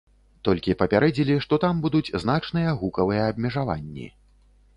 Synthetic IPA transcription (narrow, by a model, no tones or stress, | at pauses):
t̪ɔlʲkʲipɐpʲaɾɛd͡zʲilʲiʂt̪ɔt̪ambud̪ud͡zʲznat͡ʂnɨjɐɣukɐvɨjɛːb̚mʲɛʐava̰nʲːḭ